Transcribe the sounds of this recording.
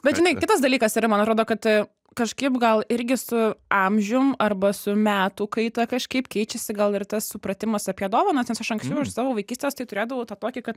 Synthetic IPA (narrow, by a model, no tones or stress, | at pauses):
bʲɛt̪ʒʲɪnɐɪkʲɪt̪ɐs̬d̪ɐlʲiːkɐsiːɾɐmɐnɐt̪ɾoːd̪oːkɐt̪ | kɐʃkɐɪpɡɐlˠɪɾʲɡʲɪsʊɑmʲʒʲʊmɐrbɐsʊmʲæːt̪uːkɐɪt̪ɐkɐʃkɐɪpkʲɛɪt͡ʃʲɛsʲɪɡɐlˠɪrt̪ɐssʊpɾɐt̪ʲɪmɐsɐpʲiɛd̪oːʋoːnɐsʲɛsɐʃɐŋksʲt͡ʃʲɛʊɐʃsɑːʋoːʋɐɪkʲiːsʲt̪ʲeːst̪ɐɪt̪ʊɾʲeːd̪ɐʋoʊt̪ɑːt̪oːkʲɪkɐt̪